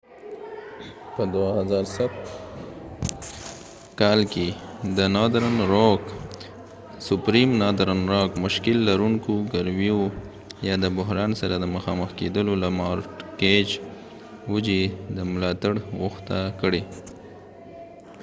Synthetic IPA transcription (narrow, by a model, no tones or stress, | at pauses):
pəd̪wahazɑɾsa | kɑlked̪ənɑd̪ɾanɾok | sʊpɾimnɑd̪ɾanɾɑkmʊʃkɪlːaɾuŋkoɡaɾmijo | jɑd̪əbʊɦɾɑnsaɾad̪əməxɑməxked̪əlolamɑɾʈked͡ʒ | wud͡ʒed̪əmʊlɑt̪aɽɣʊxt̪akəɽe